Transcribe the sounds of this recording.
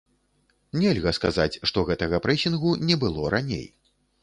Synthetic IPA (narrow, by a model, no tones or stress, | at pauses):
nʲɛlʲɣɐska̰zat͡sʲʂt̪ɔɣɛt̪ɐɣɐpɾɛsʲinɣunʲɛbɨlˠɔɾʔanʲḛj